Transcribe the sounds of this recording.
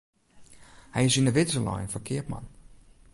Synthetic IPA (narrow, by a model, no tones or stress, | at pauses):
hɛjɪsinəʋɪtsəlɔ̰jnfɔkʰɪəpma̰n